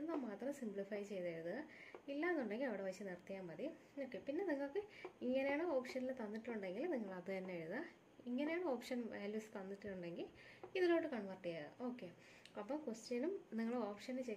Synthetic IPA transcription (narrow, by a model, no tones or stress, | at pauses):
enːamaːt̪rɐmsimbɭifɐjt͡ɕe̞jt̪aːɾuðɨilːaːenːuɳɖe̞ŋɡilɐʋiɽe̞ʋɐjit͡ɕːɨnirt̪ɐjaːmɐði | o̞ːkːe̞pinːe̞niŋːɐɭkːɨiŋːɐnejaːɳɨoːpʂɐnilt̪ɐnːiʈːɨuɳɖe̞ŋɡilniŋːɐɭɐðɨt̪ɐnːaːɻuna | iŋːɐne̞jaːɳɨo̞ːpʂɐnʋʔaːljuːsɨ̥t̪ɐnːiʈːiʈːuɳɖe̞ŋɡil | iðilo̞ːɽːɨkɐɳʋɐrʈːijaðɨ̰ʔo̞ːkːe̞ | ɐpːɐːmkwesʈjɐnumniŋːɐɭeoːpʂɐnt͡ɕe